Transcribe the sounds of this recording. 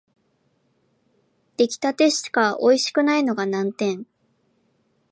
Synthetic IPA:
d̪̥e̞kʲi̥t̪at̪e̞ɕt̪kaʔo̞iɕi̥kɯ̟naino̞ɡanãnt̪ẽ̞ɴ

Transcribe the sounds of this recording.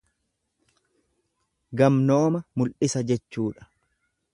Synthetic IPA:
ɡɐmno̞ːmɐmʊlʔɪsɐd͡ʒɛt͡ʃːuːᶑɐ̥

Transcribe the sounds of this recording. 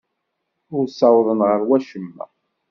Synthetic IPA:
ʊɾsɑwðˤənʁəɾwæʃəmːæ̰

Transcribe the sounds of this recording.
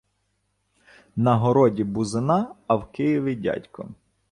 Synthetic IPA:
nɐɦɔɾɔdʲibʊzɪnɑɐwkɪjiʋʲidʲa̰tʲkɔ̰

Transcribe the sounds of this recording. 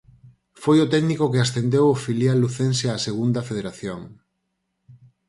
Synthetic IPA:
fojot̪ɛɡnikokeasθend̪ewofiljalːuθenseaseɣund̪ɐfeð̞eɾaθjoŋ

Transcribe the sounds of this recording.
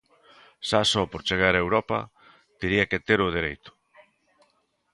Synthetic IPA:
ʃasɔpoɾt͡ʃeɣaɾaewɾɔpɐ̰ | t̪eɾiɐket̪eɾʊð̞eɾejt̪ʊ̥

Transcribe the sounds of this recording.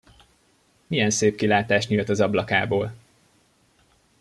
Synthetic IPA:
mijɛnseːp̚kilaːt̪aːʃɲult̪ɒzɒblɒkaːboːl

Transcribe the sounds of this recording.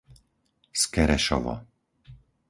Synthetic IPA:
skɛɾɛʃɔ̰vɔ̰

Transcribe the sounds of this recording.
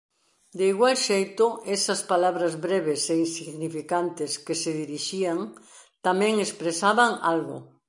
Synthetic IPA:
d̪eiɣwalʃejt̪ʊɛsɐspalaβɾɐzβɾeβeseinsiɣɣnifikant̪ɪskeseðiɾiʃiaŋ | t̪amɛ̃ŋespɾesaβaŋa̰lɣʊ̰

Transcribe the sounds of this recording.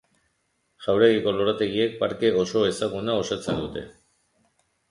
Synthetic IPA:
ʝawɾe̞ɣiko̞lo̞ɾat̪e̞ɣie̞k̚paɾke̞o̞so̞e̞saɣunao̞sat͡se̞nd̪ut̪e̞̰

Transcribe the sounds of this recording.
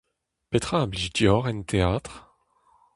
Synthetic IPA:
pet̪χaːblid̪jɔʁɛnt̪ʰeat̪χ

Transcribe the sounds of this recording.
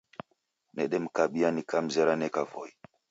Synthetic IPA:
neɗem̩kaɓianikam̩zeɾanekavo̰j

